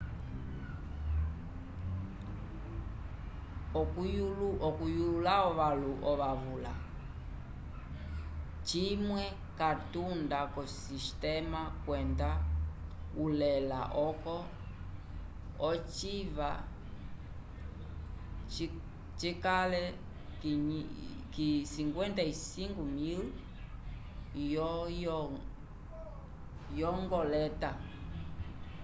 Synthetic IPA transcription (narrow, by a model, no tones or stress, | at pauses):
ɔkuʔɔkujulaɔʋaluʔɔʋaβula̰ | t͡ʃimwɛ | katundakɔsistɛmakwɛnda | ulɛla̰ʔɔkɔ | ɔt͡ʃiva | t͡ʃikalɛ | k | kisiŋɡwɛntaisiŋɡumil | jɔ | jɔŋɡɔlɛta